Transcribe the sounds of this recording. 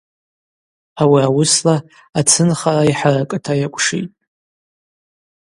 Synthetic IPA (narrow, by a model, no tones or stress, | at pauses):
awiawʊsla | at͡sʰɨnχaraiħarakʼɨtʰajakʷʼʂḭtʼ